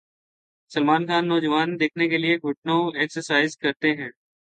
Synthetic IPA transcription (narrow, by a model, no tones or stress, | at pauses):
sɐlmaːnxaːnːɔːd͡ʒəʋaːnd̪eːkʰnekelieɡʱʊʈ̚nõɛːksəɾsaːɪzkɐɾt̪eɦɛ̃ː